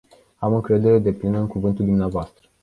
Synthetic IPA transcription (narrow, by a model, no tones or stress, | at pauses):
amɨŋkɾe̞d̪e̞ɾe̞d̪e̞plinəɨŋkuvɨnt̪uld̪umneavoast̪ɾə